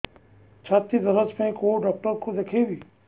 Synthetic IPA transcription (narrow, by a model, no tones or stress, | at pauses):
t͡ʃʰaːt̪id̪ɐɾəd͡ʒmẽkoːɖɔːk̚ʈəɾkod̪eːkʰeʋiː